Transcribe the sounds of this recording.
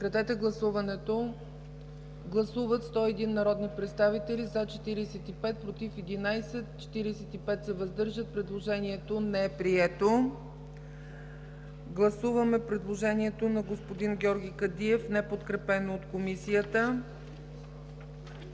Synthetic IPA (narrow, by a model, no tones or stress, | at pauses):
kɾɐt̪ɛt̪ɛɡlˠɐsuvɐnɛt̪o | ɡlˠɐsuvət̪st̪ɔɛd̪inːɐɾɔd̪nipɾɛt̪st̪avit̪ɛlʲizat͡ʃɛ̥t̪iɾisɛt̪ipɛt̪̚pɾot̪ifɛd̪inajsɛt̪t͡ʃɛ̥t̪iɾisɛt̪ipɛt̪sɛvɐzd̪ɤɾʒət̪̚pɾɛd̪lˠoʒɛniɛt̪onɛɛpɾiɛt̪o | ɡlˠɐsuvəmɛpɾɛd̪lˠoʒɛniɛt̪onɐɡospod̪inɡʲɔɾɡʲikəd̪iɛfnɛpot̪kɾɛpɛnoːt̪komisijət̪ə